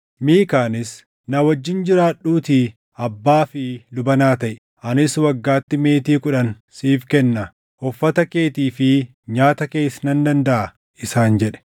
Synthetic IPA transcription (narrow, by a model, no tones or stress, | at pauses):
miːkaːnɪs | nɐwɐd͡ʒːɪnd͡ʒɪɾaːᶑuːt̪i | ɐbːaːfɪlʊbɐnaːt̪ɐʔɛ | ʔɐnɪswɐɡːaːt̪ːɪme̞ːt̪iːkʊᶑɐn | siːfkɛnːɐ | hɔfːɐt̪ɐke̞ːt̪iːfɪ | ɲaːt̪ɐke̞ːsɐnɐnd̪ɐnd̪ɐʔɐ | ɪsaːnd͡ʒɛᶑɛ̥